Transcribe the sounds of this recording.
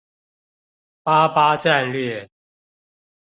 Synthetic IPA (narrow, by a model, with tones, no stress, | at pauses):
pa˦pa˦ʈ͡ʂa˥˨nlɥɛ˥˨